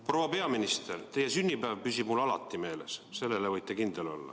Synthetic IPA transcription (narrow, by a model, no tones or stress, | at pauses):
pro̞wɑpe̞ɑminist̪ert̪e̞je̞synʲːipæːvpysib̥mulɑlɑ̰t̪ːˑime̞ːle̞̰sse̞lːe̞levɤjt̪ːˑe̞kind̪̥elo̞̰lːɑ̰